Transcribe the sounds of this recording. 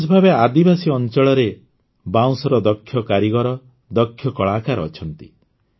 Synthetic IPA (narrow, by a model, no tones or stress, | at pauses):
sbʱabead̪ibasiɔnt͡ʃɔɭɔɾe | baw̃sɔɾɔd̪ɔkʰːjɔkaɾiɡɔɾɔ | d̪ɔkʰːjɔkɔɭaːkaɾɔt͡ʃʰɔnt̪ḭ